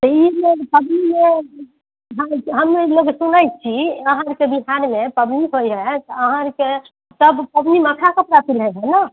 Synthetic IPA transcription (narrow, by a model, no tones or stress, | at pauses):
t̪əiloɡpəb̪nime | ɦãɦəmneloɡsunəjt͡ʃʰiəɦãɾkebiɦaɾmepəbniɦojɦət̪əɦãɾke | t̪əbpəbniməkʰakəpɾapʰilɦɛɦɛna